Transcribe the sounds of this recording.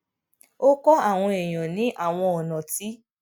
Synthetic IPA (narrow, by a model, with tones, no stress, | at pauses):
o˦kɔ˦a˦˨w̃ɔ̃˧e˨j̃ɔ̃˨nĩ˨˦ʔa˦˨w̃ɔ̃˧ɔ˨nã˨ti˦